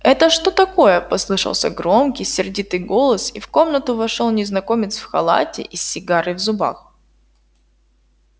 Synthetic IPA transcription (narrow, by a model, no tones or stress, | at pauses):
ɛt̪əʂt̪o̞t̪ɐko̞jəpɐslˠɨʂə̰lˠsʲə̰ɡɾo̞mkʲijsʲɪrdʲit̪ɨjɡo̞lˠəsifko̞mnət̪ʊvɐʂolˠnʲɪznɐko̞mʲɪt̪sfxɐ̰lˠa̰tʲɪ̰ʔisʲːɪɡaɾɨjvzʊba̰x